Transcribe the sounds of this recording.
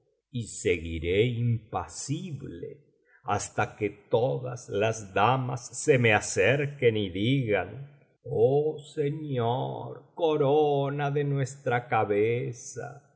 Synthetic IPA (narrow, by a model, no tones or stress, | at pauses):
iseɣḭɾeimpasiβlḛ | ast̪aket̪oða̰slazðamasːemeaseɾkeniðiɣan | oseɲo̰ɾkoɾonaðenwest̪ɾakaβesa̰